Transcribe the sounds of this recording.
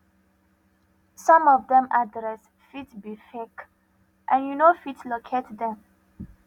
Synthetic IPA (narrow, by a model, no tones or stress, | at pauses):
sɔ̃mɔvdɛ̃madɹɛs | fitbifek | ʔãnjunofitslokʰetdɛ̃m